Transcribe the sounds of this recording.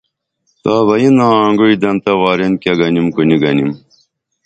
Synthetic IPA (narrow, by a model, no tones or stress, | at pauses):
t̪aːβɐjinaːŋɡoid̪ɐnt̪ɐwaːɾenkɐɡɐnimkuniɡɐnim